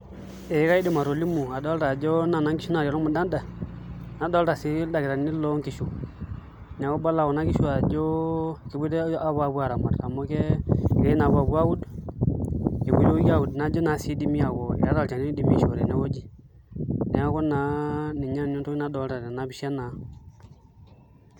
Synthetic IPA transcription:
e˨˦ka˦i˦di˨ma˨ɾo˨li˦mu˨a˨do˦lɾa˨d͡ʒo˦na˨na˦ŋki˦ʃu˦na˨o˨lo˦mu˨da˦nda˨ | na˨˦do˦lɾa˨si˦da˨ɡi˨ɾa˨ni˦lo˦ŋki˨˦ʃu˨ | n˨wo˦ba˦la˨wo˨na˦ki˦ʃu˦a˨d͡ʒo˦ki˨bu˦de˦a˦ba˨bu˦a˨ɾa˨ma˨dka˨mo˦ke˦˨ke˦i˦na˨bu˨a˨bu˦a˦wu˦d | ke˨bṵ˦jo˦ɡa˨wu˨dna˨d͡ʒo˦na˨˦si˦di˦mi˦a˨wo̰˨a˦ɾa˦˨lt͡ʃa˨ni˦di˨mi˦ʃu˨ɾḛ˨ne˨˦wo˦d͡ʒi˨ | ne˨a˦ko˦na˨˦ni˨ɲa˦n˨ɲo˦tu˦i˦na˦do˨˦lɾa˨da˨na˨˦bi˦ʃa˦na˨

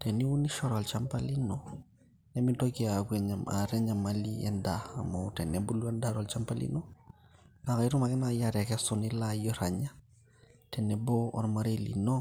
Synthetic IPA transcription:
tɛ˨ni˦wu˦ni˦ʃɔɾa˨lt͡ʃa˦mpa˦li˦nɔ˨ | nɛ˦mi˦dɔkiakwɛɲama̰ɾɛ˦ɲa˨maliɛ̰ndaa̰˨ma˨tɛ˨nɛbu˦lu˦a˦ndaɾɔ˨lt͡ʃa˦mpa˦lḭnɔ˦ | ka˨ka˨i˦ɾu˦ma˨kɪ˦najaɾɛ˨kɛsɔ˨ni˦lajɔɾa˨ɲa˦ | tɛ˨nɛ˨bɔ˦ɔ̰˦ɾma˦ɾelḭ˨nɔ˦

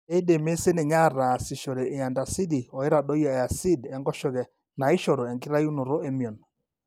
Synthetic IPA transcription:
e˦i˦ɗe˨me˦se˦ne˨ɲa˦˨ɾa˨si˨ʃɔ˨ɾe˨ʔe˨a˨nda˨si˦di˨ɔ˨e˦ɾa˨ɗɔ˦ja˨a˨si˦dɛ˨˦ŋɡɔ˦ʃɔ˨ɣɛ˨ | na˨ɪ˦ʃɔ˨ɾo˨ɛ˨ŋɡi˦ɾa˦ju˦no˨ɾo˦ɛ˦mi˨ɔ˨n

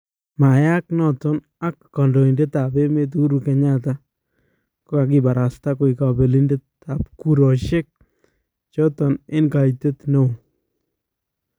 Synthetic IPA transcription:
ma˨ja˦knɔ˨tɔ˦n | a˦kːɔ˨ndo˨i˨nde˦ta˨be˦me˦t̬u˦ɾu˨kɛ˨ɲa˦ta˦ | ko˦a˨k̬ɪ˦ba˨ɾa˨sta˦ko˨ɪ˨ka˨be˨li˦nde˦t | a˨p̚ku˦ɾɔ˨ʃe˦k̚ | t͡ʃɔ˦tɔ˨nɪ˦nka˨ite˦t̪no˦˨

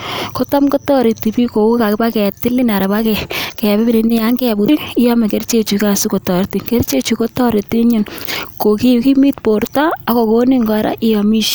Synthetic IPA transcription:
ko˦ta˦mko˦tɔ˦ɾi˨ti˨pi˦ko˨ku˦ka˨kɪ˦pa˦kɛ˨tɪ˦li˦na˨ɾa˨pa˦kɛ˨kɛ˨bɪ˦bi˦ni˨ni˦ja˦ŋɡɛ˦˨bu˨˦ɪ˦jɔ˦mɛ˨ke˦ɾt͡ʃe˦˨t͡ʃu˨ka˨su˦ko˨tɔ˨ɾti˨ke˦ɾt͡ʃe˦t͡ʃu˨ko˦tɔ˦ɾi˨ti˦ɲu˦˨nko˨ki˦˨ki˦mi˦tpo˨ɾta˦a˦ko˨ko˦ni˦ŋɡɔ˨˦ɾa̰˦ʔɪ˦jɔ˨mi˦ʃ

